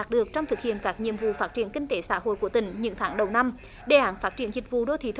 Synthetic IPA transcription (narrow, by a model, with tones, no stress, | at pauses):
t̚ɗɨ˨˩ək̚t͡ɕɔ˧wŋ͡mt̪ʰɨ˨˩k̚hḭ˧˨ənkaː˦˥k̚ɲḭ˧˨əmvṵ˧˨faː˦˥t̚t͡ɕi˧˩˨ənkï˧ŋ̟t̪e˧˨˦saː˧˥ho̰˧˨jku˧˩ət̪ï˧˦ŋ̟ɲɨ̰˧˥ŋt̪ʰaː˨˦ŋɗə˨˩wna˧m | ɗe˨˩ʔaː˨˦nfaː˦˥t̚t͡ɕḭ˧˩ənzï˨˩k̟̚vṵ˧˨ɗo˧t̪ʰi˧˦˩